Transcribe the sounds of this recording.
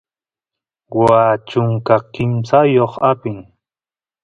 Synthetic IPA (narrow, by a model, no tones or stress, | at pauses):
waːt͡ʃʊŋkakɪmsajoχapɪŋ